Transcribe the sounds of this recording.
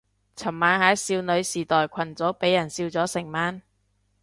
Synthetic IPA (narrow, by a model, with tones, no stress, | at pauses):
t͡sʰɐ˨˩mmːaː˨˧nhaː˨˥jsiː˧wnɵ˨˧ɥsiː˨˩t̪ɔː˨jkʷʰɐ˨˩nt͡sɔː˨˥pe˨˥jːɐ˨˩nsiː˧wt͡sɔː˨˥sɪ˨˩ŋmaː˨˥n